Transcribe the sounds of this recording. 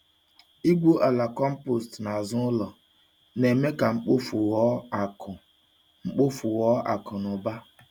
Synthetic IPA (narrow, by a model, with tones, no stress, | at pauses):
i˦ɡ͡bo˦ʔa˨la˨kɔ˦m̩˦po˨stna˨zʊ˦lɔ˨ | ne˨me˦ka˨ŋ͡m̩˦k͡po˦f | ŋ͡m̩˦k͡po˦fʊ˨wɔ˦a̰˨kʊ˨nʊ˨ba˦